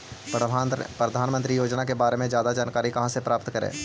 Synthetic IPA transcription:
pɾɐd̪ʱaːnmə̃nt̪ɾijoːd͡ʒnakebaːɾemẽd͡ʒjaːd̪ad͡ʒaːnkaːɾikɐɦãsepɾaːpt̪kɐɾḛ̃ː

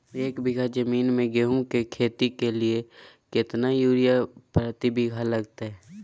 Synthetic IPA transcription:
eːkbɪɡʱad͡ʒəmiːnmẽɡeɦũkekʰeːt̪ikelie | kɪt̪najuːɾijapɾət̪ibʱɪɡʱaləɡt̪aɦɛː

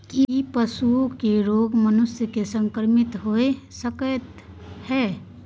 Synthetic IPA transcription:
kiipəsuokeɾoːɡmənʊsjəkesə̃ŋkəɾmɪt̪ɦoesəkət̪ | hɛː

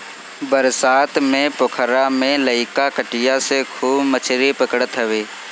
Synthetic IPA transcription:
bəɾsaːt̪ʰmẽpʊkʰɾamẽləɪkakəʈɪjasekʰuːbmət͡ʃʰɾipəkəɽət̪ɦəʋeː

